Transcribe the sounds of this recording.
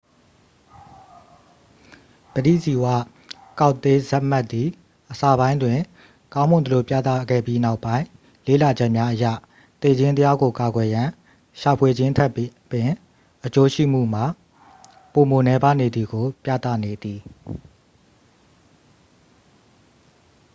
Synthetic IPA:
b̥ədḭ˦˨zi˨wä̰˦˨ | ka˦ʊʔt̪ːe˦zɛ˦ʔm̥a˦ʔt̪ːi˨ | ʔəsa˨bã˦ɪ̃ndwɪ̃˨ | kã˦ʊ̃mʊ̃˨nd̪ə˨lo˨pja̰˦˨t̪a̰˦˨ɡɛ̰˦˨pji˦na˦ʊpːã˦ɪ̃ | lḛ˦˨la˨d͡ʑɛ˦ʔmja˦ʔəja̰˦˨ | t̪e˦˨d͡ʑɪ̃˦nt̪əja˦ɡo˨ka˨ɡwɛ˨jã˨ | ʃa˨pʰwe˨d͡ʑɪ̃˦tʰɛ˦˨pːɪ̃˨ | ʔət͡ɕo˦ʃḭ˦˨m̥ṵ˦˨m̥a˨ | po˨mo˨nɛ˦ba˦˨ne˨d̪ði˨ɡo˨pjä̰˦˨t̪ä̰˦˨ne˨d̪i˨

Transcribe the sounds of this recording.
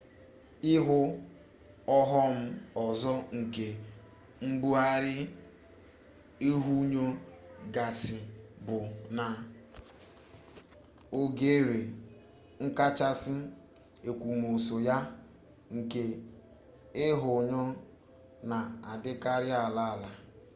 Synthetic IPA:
ɪ˦ɦʊ˦ | ɔ˦ɦɔ˦m̩˦ɔ˨zɔ˦ŋ̩˨ke˨ | m̩˦bu˦a˦ɾɪ˦ | e˦ɦu˦ɲo˦ɡa˨sɪ˨bʊ˨na˨ | o˨ɡe˦ɾe˨ | ŋ̩˦ka˦t͡ʃa˦sɪ˦ | e˨kʷu˨m˨o˨so˨ja˦ | ŋ̩˨ke˨ | ɪ˦ɦʊ˨ɲo˦ | na˨a˨dɪ˦ka˦ɾɪ˦a˨la˦a˨la˨

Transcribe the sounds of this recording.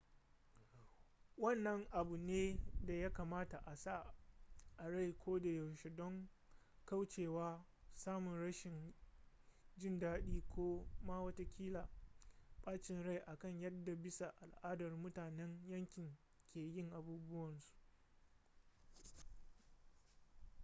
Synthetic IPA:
wɐ˦˨nːɐ˦ŋʔa˨bu˨neː˦da˨ja˦kaː˨maː˦ta˨ʔa˨sa˦˨ | ʔa˨ɽa˦˨jkʷoː˦da˨jɐ˨wʃe˨dɔ˦ŋ | ka˦wt͡ʃeː˨waː˦ | saː˦mʊ˨nɽɐ˦ʃɪ˨n | d͡ʒɪ˦ndaː˦ɗiː˦kʷoː˦maː˦wɐ˦ta˦kʲiː˦laː˨ɓaː˦t͡ʃɪ˨nɽa˦˨jʔa˨kɐ˦ɲjɐ˦dːa˨bɪ˦sa˨ʔa˨lʔaː˦dɐ˨rmʊ˦taː˨nɛ˦ŋjɐ˦ŋkʲɪ˨ŋ | kʲʰeː˨jɪ˦˨ŋʔa˨buː˦bʊ˦wɐ˨nsu̥˨ʔ

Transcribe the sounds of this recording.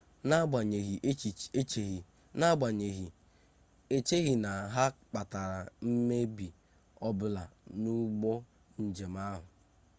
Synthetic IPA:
na˦ɡ͡ba˨ɲe˨ɦi˨ʔt͡ʃi˨e˦t͡ʃe˨ɣi˨ | na˦ɡ͡ba˨ɲe˨ɦi˨ | e˦t͡ʃe˦ɣi˨na˨ɦa˦k͡pa˨ta˨ɾa˨m̩˦me˦bi˨ | ɔ˦bʊ˦la˨nu˦ɡ͡bo˦ | n̩˨d͡ʒe˨m˦a˦ɦʊ˨

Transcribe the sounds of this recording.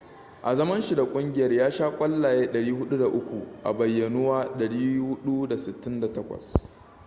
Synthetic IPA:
ʔa˨zɐ˦mɐ˦nʃi˨da˨kʷʼʊ˦ŋɡʲɪ˨jɐ˦rjaː˦ʃaː˦kʷʼɐ˦lːaː˨jeː˦ɗɐ˨ɽiː˦ɦʊ˦ɗu˦da˨ʔʊ˦kʷu˨ʔa̰˨bɐ˨jːɐ˨nu˦waː˦ɗɐ˨ɽiː˦hʊ˦ɗu˦da˨sɪ˨tːɪ˦nda˨tɐ˦kʷɐ̰˨s

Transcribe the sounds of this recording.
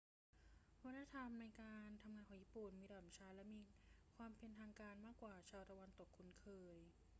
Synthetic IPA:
wa˦˥t̪ːa˧˥t̪ʰa˧mna˧jkaː˧nt̪ʰa˧mŋaː˧nkʰɔː˩˦jiː˧˩pu˨˩nmiː˧dɔː˨˩˦t͡ɕʰaː˦˥lɛ˦˥miː˧kʰwaː˧mpe˧nt̪ʰaː˧ŋkaː˧nmaː˥˩kwaː˨˩t͡ɕʰaː˧wt̪a˧wa˧nt̪o˨˩kʰːu˧˩nkʰɤː˧j

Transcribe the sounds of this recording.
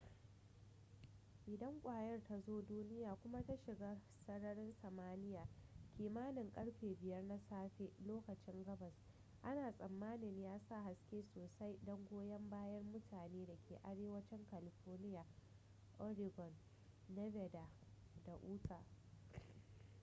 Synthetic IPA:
ʔɪ˨dɐ˦ŋkʷʼaː˨jɐ˦rta˨zoː˦duː˦nɪ˦jaː˨kʷʊ˦ma˦ta˦ʃɪ˨ɡaː˦ | sɐ˦ɽɐ˦ɽɪ˦nsɐ˨maː˦nɪ˦jaː˨kʲiː˨maː˦nɪ˨ŋkʼɐ˦ɽɸeː˨bɪ˨jɐ˦rna˦saː˦ɸe˦loː˦kɐ˨t͡ʃɪ˦ŋɡɐ˦bɐ˨s | ʔa˦naː˨sʼɐ˨mːaː˦nɪ˨ɲjaː˦sa˦˨ha˦skʲeː˦soː˨sa˦jdɔ˦ŋɡʷoː˦jɐ˦mbaː˦jɐ˦rmʊ˦tʰaː˨neː˦da˨kʲeː˨ʔa˨ɽeː˦wɐ˦t͡ʃɪ˦ŋka˨lɪ˨ɸɔː˦rnɪ˦jaː˨ | ʔɔ˦ɾɪ˨ɡɔ˨n | dɛ˦bɛ˨da˨ | da˨ʔuː˦tʰa˨

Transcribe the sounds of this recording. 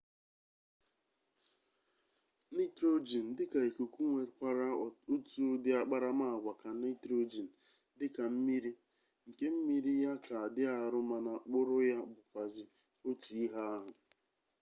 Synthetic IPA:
ni˦tɾo˦d͡ʒi˨n̩˨dɪ˦ka˨e˨ku˨ku˦ŋʷe˨kʷa˨ɾa˦o˦tu˦dɪ˦a˨k͡pa˦ɾa˦ma˦˨ɡʷa˨ka˨na˦tɾo˦d͡ʒi˨n̩˨ | dɪ˦ka˨m̩˦mi˦ɾi˦ | ŋ̩˨ke˦m̩˦mi˦ɾi˦ja˦ka˨a˨dɪ˦a˨ɾʊ˦ma˨na˨k͡pʊ˦ɾʊ˦ja˦bʊ˨kʷa˨zɪ˨ | o˦tu˨i˦ɦa˦a˦ɦʊ˨

